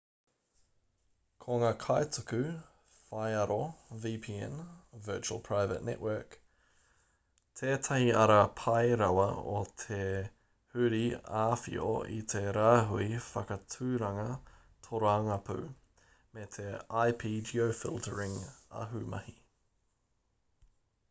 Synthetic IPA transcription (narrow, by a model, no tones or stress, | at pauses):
kʰoŋaːkʰaetʰukʉ | fajɐɾoviːpʰiːɛ̰nvɜːt͡ʃuə̰lˠpʰɹ̥ajvə̰tnɛ̰ʔwɜːk | tʰeːt̪ʰɐhiɐɾɐpʰɐjɾɐwɐo̰t̪ʰe | hʉɾiaːfḭo̰ḭt̪ʰeɾaːɦuifɐkɐtʰʉːɾɐŋɐ | t̪ʰoɾoɐŋɐpʰʉ̰ | met̪ʰeajpʰiːd͡ʒiowfɪ̰lˠtʰəɹɪŋɐ̰ɦʉmɐ̰hi